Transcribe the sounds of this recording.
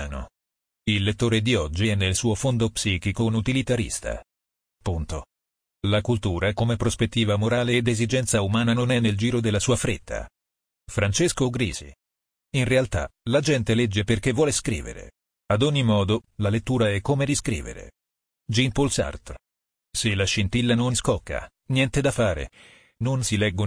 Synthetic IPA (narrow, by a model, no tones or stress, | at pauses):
no̰ | ilːet̪ːoːɾed̪iɔd͡ʒːiɛnːelsuːofond̪opsiːkikonut̪ilit̪aɾḭst̪a̰ | punt̪o | lakult̪uːɾakomepɾospet̪ːiːvamoɾaːleːd̪ezid͡ʒɛnt̪saumaːnanonɛneld͡ʒiːɾod̪elːasuːafɾet̪ʰːa̰ | fɾant͡ʃeskoɡɾḭːzḭ | inrealt̪a̰lad͡ʒɛnt̪elɛd͡ʒːeperk̟evːwɔːleskɾḭːvḛɾḛ | ad̪oɲːimɔːd̪olalet̪ːuːɾaɛkːomeɾiskɾḭːvḛɾḛ | d͡ʒinpolsa̰rt̪ | selaʃint̪ilːanonskɔkːa̰ | njɛnt̪ed̪afaːɾḛ | nonsilɛɡːo